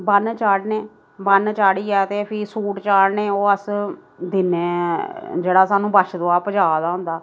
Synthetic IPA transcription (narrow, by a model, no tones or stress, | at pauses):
bənt͡ʃaːɽneː | bənt͡ʃaːɽiːɛːt̪eːpʰiːsuːʈt͡ʃaːɽneːoːəs | d̪ɪneː | d͡ʒeːɽaːsaːnũːbəʃd̪õːaːpəd͡ʒaːd̪aːɦʊ̃nd̪aː